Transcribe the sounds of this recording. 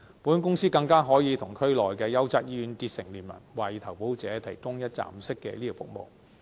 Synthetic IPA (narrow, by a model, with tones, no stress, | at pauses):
puː˨˥nkʊ˥ŋsiː˥kɐ˧ŋkaː˥ɦɔː˨˥jiː˨˧t̪ʰʊ˨˩ŋkʰɵ˥ɥlɔː˨jkɛː˧jɐ˥wt͡sɐ˨˥t̚ji˧y˧nt̪iː˧t̚sɪ˨˩ŋliː˨˩nmɐ̰˨˩nwaː˨˩ji˨t̪ʰɐ˨˩wpo˨˥wt͡sɛː˨˥t̪ʰɐ˨˩jkʊ˥ŋjɐ˥t̚t͡sa̰ː˧˩m̩˨sɪ˥kːɛ̰˧liː˥ɔ˧˩fʊ˥k̚mo̰˨w